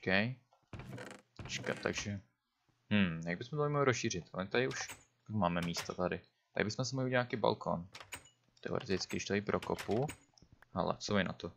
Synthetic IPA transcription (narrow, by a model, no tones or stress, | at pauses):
okɛj | ɛt͡ʃkat̪a̰ɡʒɛ | hm̩jaɡbɪsmɛt̪oɪmoɦlɪɾosʃiːr̝ɪt̪ʔanɛt̪adɪuʃ | akmaːmɛmiːst̪at̪adɪ | t̪adɪbɪsmɛs̬ɪmoɦliiɲaːkiːba̰lkʰo̰n | t̪ɛo̰ɾɛt̪ɪt͡skɪdɪʃt̪aipɾʔokopu | hɛ̰lɛ̰t͡soɪna̰t̪o